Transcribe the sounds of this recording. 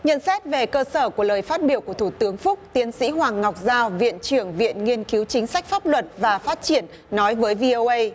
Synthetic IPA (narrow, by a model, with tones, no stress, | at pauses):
ɲə̰˧˨nsɛ˦˥t̚ve˨˩kəː˧səː˧˩ku˧˩ələː˨˩jfaː˦˥t̚ɓi˧˩əwku˧˩ət̪ʰu˧˩t̪ɨ˨˦əŋfʊ˦˥k͡p̚t̪i˨˦ənsḭ˧˥ɦwaː˨˩ŋːa˨˩wk͡p̚zaː˧wvḭ˧˨ənt͡ɕɨ˧˩əŋvḭ˧˨ənŋi˧ənki˨˦wt͡ɕï˨˦ŋ̟sa˦˥k̟̚faː˦˥p̚lwə˨˩t̚vaː˨˩faː˦˥t̚t͡ɕi˧˩ənːɔ˨˦jvəː˨˦jvi˧ʔo˧ʔə˧j